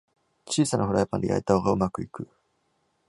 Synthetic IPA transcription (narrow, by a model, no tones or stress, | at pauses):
t͡ɕiːsanʔaɦoɾajapã̰nd̪ḛa̰it̪aoɡaɯ̟makɯ̟ikɯ̟